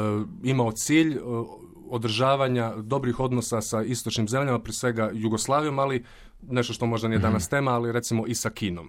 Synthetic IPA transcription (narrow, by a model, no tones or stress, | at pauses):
imaot̪siːʎ | od̪ɾ̩ʒaːʋaɲad̪o̞bɾixo̞d̪no̞sasaist̪ot͡ʃnimze̞mʎamapɾiesʋe̞ɡajuɡo̞slˠaːʋijo̞mali | ne̞ʃt̪oʃt̪o̞mo̞ʒd̪anijed̪anast̪e̞ːmaːliɾe̞t̪simo̞ʔisakiːnom